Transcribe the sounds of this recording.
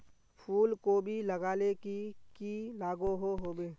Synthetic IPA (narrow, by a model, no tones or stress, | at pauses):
pʰuːlkobʱiləɡaːlekikilaːɡoɦoɦoːbeː